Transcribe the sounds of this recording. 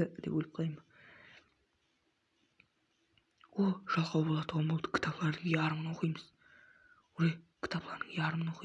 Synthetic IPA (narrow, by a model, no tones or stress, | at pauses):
əd̪ḛpwɵlɪp̚qʰojm | woʒ̥ɑlˠqɑwbo̞lˠɑd̪əwomlˠt̪ə̥kʲʰɪ̥t̪ʰɑplˠɑɾd̪əŋeɑɾmənɑwo̞qʰijməz̥ | ʊɾekʲʰɪ̥t̪ʰɑplˠɑɾd̪əŋeɑɾəmənoqi